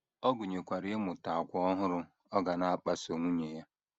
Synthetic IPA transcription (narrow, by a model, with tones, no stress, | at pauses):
ɔ˦ɡʊ˨ɲe˨kʷa˨ɾɪ˨˦e˦mʊ˨ta˨a˨kʷɔ˦ɔ˦ɦʊ˦ɾʊ˦ | ɔ˦ɡa˨na˦a˦k͡pa˨so˨ŋʷu˦ɲe˨ja˦